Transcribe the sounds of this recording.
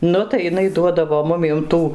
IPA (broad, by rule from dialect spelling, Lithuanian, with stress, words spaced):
ˈnʊ tɐɪ jɪˈnɐɪ ˈduɔdɐʋoː ˈmʊmʲiɛm ˈtuː